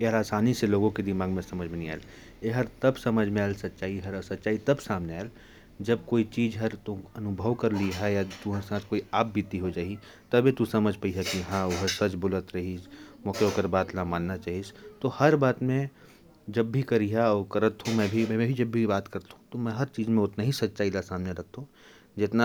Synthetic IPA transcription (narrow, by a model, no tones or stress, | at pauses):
eɦəɾaːsaːniseloːɡõked̪ɪmaːɡmẽsɐməd͡ʒʱmẽnĩa̰ːl | eɦɐɾt̪ɐbsɐməd͡ʒʱmẽaːlsɐt̪ːʃaːiɦɐsɐt̪ːt͡ʃaːit̪ɐbsaːmneaːl | d͡ʒɐb̚koːit͡ʃiːd͡ʒɦɐɾt̪ũɐnʊbʱəʋkɐɾliɦajat̪uɦə̃sãːt̪ʰkoːiaːbbɪt̪iɦod͡ʒaːɦi | t̪ɐbʱit̪usɐməd͡ʒʱpəiɦakiɦãʊɦəsɐt͡ʃbʊlət̪ɾɐɦid͡ʒmɔːkeoːkəɾbaːt̪lamãːnːat͡ʃaːɦid͡ʒt̪ohɐɾbaːt̪mẽ | d͡ʒɐbːʱikɐɾiɦaɔːɾkɐɾət̪ɦõmɛ̃ːbʱimɛ̃mɛ̃bʱid͡ʒɐbːʱibaːt̪kɐɾt̪aɦũt̪omɛ̃ɦɐɾt͡ʃiːzmẽʊt̪naɦisɐtːʃaːilasaːmneɾɐk̚t̪ɦõ | d͡ʒɪt̪na